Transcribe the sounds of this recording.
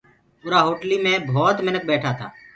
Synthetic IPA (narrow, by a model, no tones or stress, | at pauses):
ʊɾaːɦoːʈliːmẽːbʱɔːt̪mɪnək̚bɛːʈʰaːt̪ʰa̰ː